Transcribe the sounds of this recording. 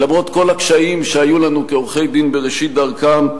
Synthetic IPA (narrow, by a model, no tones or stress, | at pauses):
lamʁo̞t̪ko̞lakʃaimʃeajulanukeoʁχe̞jd̪inbe̞ʁeʃit̪̚d̪aʁkam